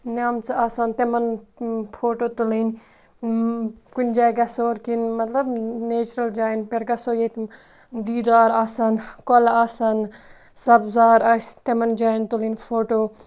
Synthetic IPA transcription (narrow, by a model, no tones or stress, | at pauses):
nʲaːmt͡sɨaːsaːnt̪emɐnfʰoːʈoːt̪ulin | kunʲd͡ʒaːɡɐsoːɾkinmɐt̪lɐbneːt͡ʃɾɐld͡ʒaːjnpeɾɡɐsoːjet̪ | d̪iːd̪aːɾaːsaːnkolaːsan | sɐbzaːɾaːst̪emɐnd͡ʒaːjnt̪ulinʲfʰoːʈoː